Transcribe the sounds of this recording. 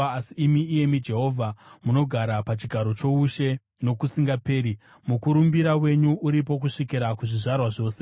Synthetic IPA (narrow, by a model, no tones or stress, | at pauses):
asiːmiːje̞mid͡ʒe̞ɦo̞vʱamuno̞ɡʱaɾapat͡ʃiɡʱaɾo̞t͡ʃo̞uʃe̞ | no̞kusiŋɡape̞ːɾi | mukuɾumbiɾawe̞ɲuuɾipo̞kuʂikiɾakuʐiʐarwaʐo̞ːse